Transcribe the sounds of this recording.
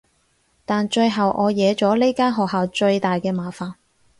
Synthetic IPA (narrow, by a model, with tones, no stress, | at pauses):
t̪aː˨nt͡ʃɵ˧ɥɦɐ˨wʔɔː˨˧jɛː˨˧t͡ʃɔː˨˥le˥jkaː˥nɦɔː˨k̚haː˨˧wt͡ʃɵ˧ɥt̪aː˨jkɛː˧maː˨faː˨n